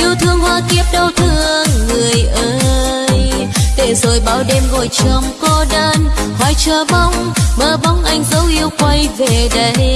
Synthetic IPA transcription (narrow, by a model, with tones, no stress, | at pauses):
ʔi˧əwt̪ʰɨ˧əŋhwaː˧ki˦˥əp̚ɗə˧wt̪ʰɨ˧əəŋːɨ˨˩əjʔəː˧˦ | j | t̪e˧˩zo˨˩jɓaː˧˩wɗe˧mŋo˧˨˩jt͡ɕə˧˩mko˧ɗəː˧nhɔ˧˩jt͡ɕəː˨˩ɓa˧˦wŋ͡mɓəː˧˩ɓa˨˦wŋ͡mʔa˧jŋ̟zə˨˦wʔi˧əwkwa˧jve˧˨˩ɗə˨˧˦j